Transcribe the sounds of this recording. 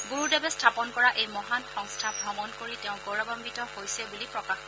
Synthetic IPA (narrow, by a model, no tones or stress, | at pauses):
ɡuɹudɛbɛstʰapɔnkɔɹaʔejmɔɦanxɔŋstʰabʱɹɔmɔnkoɹitɛʊ̃ɡɔɹɔbɔmbitɔhojsɛbulipɹɔkax